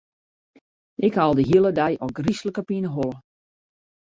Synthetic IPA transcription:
ʔɪkhalˠdəɦiəlˠədɛjɔɡrisləkəpinəɦolˠə

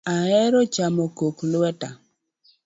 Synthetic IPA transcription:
aɛɾɔt͡ʃamɔkoklʊwɛta

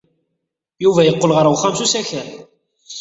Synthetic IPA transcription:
juvæjəqːolʁəɾˤwχæmsusæçəɾ

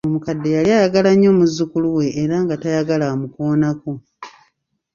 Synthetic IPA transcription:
o̞mukadːe̞jaliajaɡalaɲːo̞ːmuzːukuluwe̞ʔːɾaŋɡatajaɡalamukoːnako

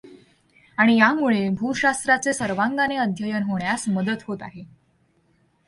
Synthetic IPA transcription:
aɽ̃ijamuɭebʱuɕast̪ɾat͡sesəɾʋaŋɡaneəd̪ʱjəjənɦoɳjasməd̪ət̪ɦot̪a̰ɦe

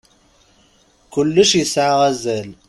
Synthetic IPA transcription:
kʊlːəʃjəsʕʁæzæl

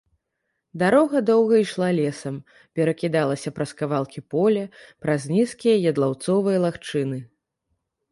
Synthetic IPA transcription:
d̪aɾɔɣɐd̪ɔwɣɐiʂlˠalʲɛsɐm | pʲɛɾɐkʲid̪alˠɐsʲɐpɾɐskavalˠkʲipɔlʲɐpɾazʲnʲiskʲijɐjɐd̪lˠawt̪sɔvɨjɐlˠaxt͡ʂɨnɨ

